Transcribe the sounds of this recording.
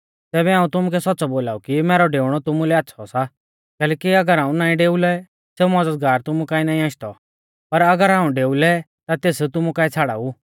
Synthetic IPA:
t̪ɛːbɛaːũt̪ʊmukɛsɔt̪ːsɔboːlaːukimɛːɾɔɖeːʊɽ̃ɔt̪ʊmulɛatːʃʰɔsa | kɛːlɛːkiɐɡəɾɦãːũnaːĩɖeːulɛ | seːumɔd͡zəd̪ɡaːɾt̪ʊmukãːĩnaːĩãʃʰt̪ɔ | pɐɾɐɡəɾɦãːũɖeːulɛ | t̪at̪eːst̪ʊmukaːit͡sʰaːɽa̰ːuː

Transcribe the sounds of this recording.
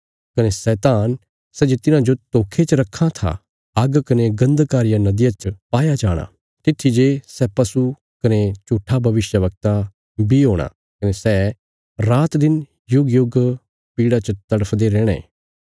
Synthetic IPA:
kɐnesɛːt̪aːn | sɛd͡ʒet̪ɪnãd͡ʒot̪oːkʰet͡ʃəɾɐkʰːãt̪ʰa̰ | ɐɡkɐneɡɐ̃nd̪kaːɾɪjanɐd̪ɪjat͡ʃpaːjad͡ʒaːɽ̃a̰ː | t̪ɪt̪ʰːid͡ʒesɛpɐsu | kɐnet͡ʃuːʈʰːabʱɐʋɪʃjəʋək̚t̪a | biɦoːɽ̃a̰ː | kɐnesɛ | ɾaːt̪d̪ɪn | jʊɡjʊɡ | piːɽat͡ʃət̪ɐɽəpʰd̪eɾɛːɽ̃ḛ̃ː

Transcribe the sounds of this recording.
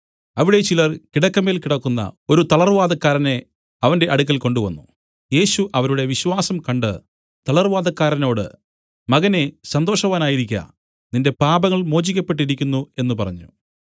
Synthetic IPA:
ɐʋiɽe̞t͡ɕilɐrkiɽɐkːɐmeːlkiɽɐkːunːɐ̰o̞ɾut̪ɐɭɐrʋaːd̪ɐkːaːɾɐne̞ | ɐʋɐnde̞ʔɐɽuk̬ʲːɐlko̞ɳɖuʋɐ̰nːu | je̞ːɕuʔɐʋɐɾuɽe̞ʋiɕwaːsɐmkɐɳɖɨ̰ | t̪ɐɭɐrʋaːd̪ɐkːaːɾɐno̞ːɽɨ̰ | mɐɣɐne̞sɐnd̪o̞ːʂɐʋaːnaːjiɾik̬ʲːɐ̰ | ninde̞paːbɐŋːɐɭmo̞ːd͡ʑikʲːɐpːe̞ʈːiɾikʲːunːue̞nːupɐrɐ̰ɲːṵ

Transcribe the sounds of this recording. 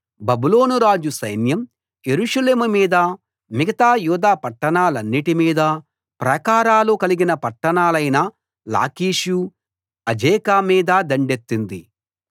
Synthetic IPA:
bɐbuloːnuɾaːd͡ʒusɐjnjɐm | je̞ɾuʂɐleːmumiːd̪ɐ | miɡɐt̪aːjuːd̪aːpɐʈːɐɳaːlɐnːiʈimiːd̪ɐ | pɾɐkaːɾaːlukɐliɡinɐpɐʈːɐɳaːlɐjnɐ | la̰ːkiːʂu | ɐd͡ʒɛːkaːmiːd̪ɐd̪ɐɳɖet̪ːund̪i

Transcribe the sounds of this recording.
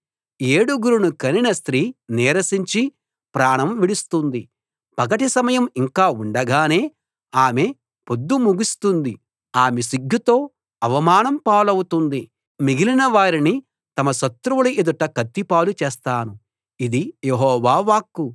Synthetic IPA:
eːɽuɡuɾunukɐninɐst̪ɾiːniːɾɐsiɲt͡ʃi | pɾaːɳɐmʋiɽust̪und̪i | pɐɡɐʈisɐmɐjɐmiŋkaːuɳɖɐɡaːne̞ː | aːme̞ | pod̪ːumuɡist̪und̪i | aːmesiɡʱjut̪o̞ː | ɐʋɐmaːɳɐmpaːlɐwut̪und̪i | miɡilinɐʋaːɾini | t̪ɐmɐʃɐt̪ɾuwuluʔid̪uʈɐkɐt̪ːipaːlut͡ʃeːst̪aːnu | id̪ijeɦɔːʋaːʋaːkːu

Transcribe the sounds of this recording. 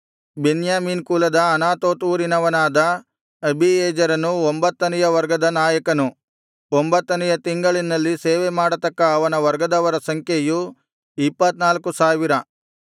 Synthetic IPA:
benjaːmiːnkuːlɐd̪ɐːnaːt̪oːt̪uːɾinɐʋɐnaːd̪ɐ | ɐbieːd͡ʒɐɾɐnuombɐt̪ːɐnijɐʋɐɾɡɐd̪ɐnaːjɐkɐnu | ombɐt̪ːɐnijɐt̪iŋɡɐɭinɐlːiseːʋɛmaːɽɐt̪ɐkːɐːʋɐnɐʋɐɾɡɐd̪ɐʋɐɾɐsɐŋkʰjeju | ipːɐt̪naːlkusaːʋiɾɐ

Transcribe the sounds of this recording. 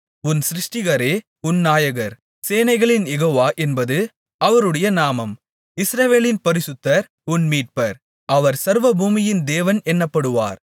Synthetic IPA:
ʊnsɪɾɪʂʈɪɣɐɾeː | ʊnnaːjɐɣɐɾ | seːnɐɪɣɐɭɪnjɛɣoːʋaːʔɛnbɐðɯ | ɐʋɐɾɯɽɐjɐnaːmɐm | ɪsɾɐʋeːlɪnpɐɾɪsɯt̪ːɐɾ | ʊnmiːʈ̚pɐɾ | ʔɐʋɐɾsɐɾʋɐbuːmɪjɪnd̪eːʋɐnɛnːɐpːɐɽɯʋa̰ːɾ

